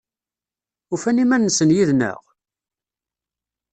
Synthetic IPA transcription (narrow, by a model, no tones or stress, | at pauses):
ʊfænimænːəsənjiðnə̰ʁ